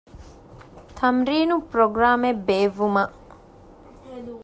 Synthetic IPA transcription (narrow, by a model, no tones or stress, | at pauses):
t̪ʰɐmɾiːnupɾoɡɾaːmebeːʋːumɐ